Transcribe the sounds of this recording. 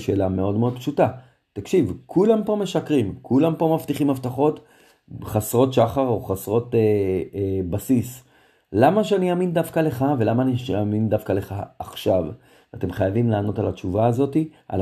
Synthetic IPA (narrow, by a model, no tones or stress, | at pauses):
ʃe̞ːlame̞o̞dmeo̞d̪pʃuta | t̪akʃivkʰulampo̞me̞ʃakʁimkʰulampo̞maft̪iχimhaftaχo̞t | χasʁo̞tʃaχaʁo̞χasʁo̞te | basis | lamaʃ̬eaniaːmind̪afkale̞χave̞lamaːniʃeamindafkale̞χaːχʃav | ate̞mχajavimlaːno̞talat͡ʃuvaːzo̞tiʔa̰l